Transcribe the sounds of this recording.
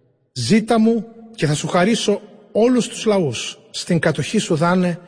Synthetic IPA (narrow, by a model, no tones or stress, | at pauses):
zit̪ɐmuce̞θɐsuxɐɾiso̞o̞lust̪uzlɐusː | t̪iŋkɐt̪o̞çisuðɐne̞